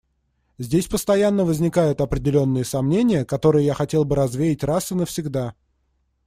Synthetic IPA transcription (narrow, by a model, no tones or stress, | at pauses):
zʲdʲesʲpəst̪ɐjanːəvəzʲnʲɪkajʊt̪ɐpɾʲɪdʲɪlʲo̞nːɨjəsɐmnʲenʲɪjəkɐt̪o̞ɾɨjəjaxɐtʲe̞lˠbɨɾɐzvʲejɪtʲrasɨnəfsʲɪɡd̪a